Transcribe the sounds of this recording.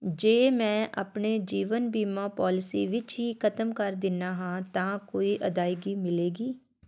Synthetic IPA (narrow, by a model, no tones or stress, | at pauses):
d͡ʒeːmɛ̃ːʔə̰pneːd͡ʒiːʋənbiːmãːpaːlɪsiːʋɪt͡ʃɦiːkʰət̪əmkəɾd̪ɪnaːɦãːt̪ãːkoːiːʔəd̪aːɪɡiːmɪleːɡiː